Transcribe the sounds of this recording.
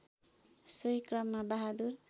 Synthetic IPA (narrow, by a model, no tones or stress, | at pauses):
sʌjkrʌmːabaɦad̪ur